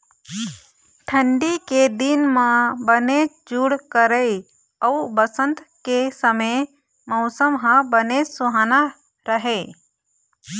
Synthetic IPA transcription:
ʈʰəɳɖiked̪inmãbənet͡ʃ | d͡ʒuɽkəɾəj | awbəsənt̪kesəme | mɔwsəmɦãbənet͡ʃsuɦana | ɾəɦe

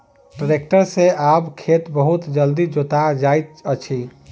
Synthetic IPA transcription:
ʈəɾekʈəɾsẽabkʰet̪bəɦut̪d͡ʒəld̪id͡ʒot̪ad͡ʒajt̪ət͡ʃʰi

